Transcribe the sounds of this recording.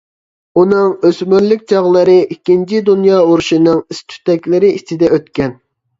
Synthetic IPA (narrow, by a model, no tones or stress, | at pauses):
unɨŋøsmyɾlykʲt͡ʃʰɑʁlˠəɾɨʔikʲːint͡ʃʰid̪unjɑːuɾuʃinɨŋist̪ʰy̥t̪ɛkʲlɪɾɪit͡ʃʰid̪ɛøt̪kʲɛn